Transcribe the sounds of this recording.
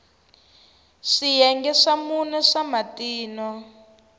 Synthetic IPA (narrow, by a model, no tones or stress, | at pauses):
ʂijɛŋɡɛʂamunɛʂamatiːnɔ